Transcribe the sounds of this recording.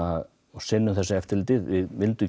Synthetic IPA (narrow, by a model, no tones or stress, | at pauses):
að | ɔɣsɪnːʏmθɛsːaɛft̪ɪlt̪ɪðvɪðvɪlt̪ʏ